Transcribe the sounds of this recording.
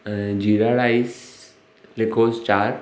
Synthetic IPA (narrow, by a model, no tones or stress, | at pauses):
d͡ʑiɾaɽais | lekoːst͡ʃaːɾ